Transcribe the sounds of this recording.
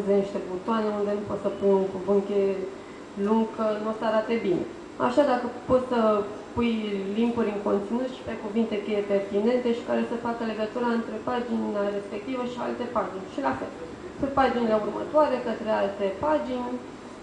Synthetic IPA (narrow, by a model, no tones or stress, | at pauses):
zeniʃt̪ebut̪oaneund̪e̞nupo̞t̪səpunuŋkuvɨŋkʲe̞ | luŋɡkənuosəaɾat̪e̞bine̞̰ | a̰ʃad̪akəpo̞t̪sə | pujlimbuɾʲɨŋko̞nt̪sinut̪ʃi̥pe̞kuvint̪e̞kejepe̞rt̪ine̞nt̪e̞ʃi̥kaɾe̞səfakəle̞ɡət̪uɾaɨnt̪ɾe̞pad͡ʒinare̞spek̚t̪ivəʃia̰lt̪e̞pad͡ʒinʲʃilafe̞̰l | sunt̪̚pad͡ʒinele̞urmə̰t̪oaɾe̞kət̪ɾe̞alt̪epad͡ʒinʲ